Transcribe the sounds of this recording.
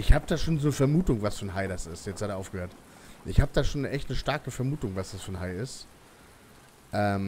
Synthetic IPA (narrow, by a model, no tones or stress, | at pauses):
ʔɪçhaːbəd̥aːʃoːnzoːnəfɛɐmuːtʊŋvasfyɐnɦaɪɾasɪstjɛt͡sthadʔaʊfɡ̥əhøːɐt | ʔɪçhaːbəd̥aːʃoːnʔɛçtnəʃtaɐkəfɛɐmuːtʊŋvasd̥asfyːɐnhaɪɪst | ʔɛːm